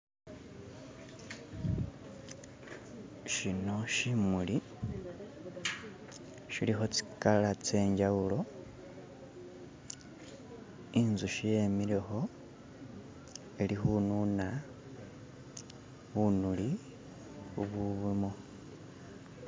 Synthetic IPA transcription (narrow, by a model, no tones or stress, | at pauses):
ʃino̞ʃimuli | ʃilixo̞t͡si̥kalat͡se̞ːɲɟawulo̞ | inzuʃije̞miɾe̞xo̞ | e̞lixununa | βunuli | xuβuβimo